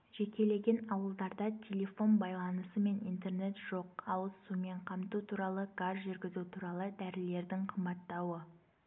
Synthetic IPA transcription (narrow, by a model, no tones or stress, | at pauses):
ʒ̥e̞kʲe̞le̞ɡʲe̞nɑwəlˠd̪ɑɾd̪ɑt̪ʲʰe̞lʲe̞fo̞nbɑjlˠɑnəsəme̞nijnt̪e̞rne̞t̪ʒ̥o̞q̚ɑwəzsume̞ɴqʰɑmt̪ut̪ʰuɾɑlˠəɡazʒʏɾɡʲɪzut̪ʰuɾɑlˠəd̪æɾɪle̞ɾd̪ɪŋqʰəmbɑt̪ːɑwə